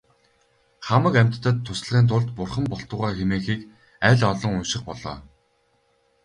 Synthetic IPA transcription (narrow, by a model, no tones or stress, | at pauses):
χamə̆kæm̥ʲt̪ːə̆t̪ʰːʊsɮʁiːnt̪ʰʊɮt̪pʊrχə̆mpɔɬt̪ʊːʁaːxemeːxiːk | æːɮɔɮɞ̆ŋʊnʃɪ̆χpɔɮɔ̰ː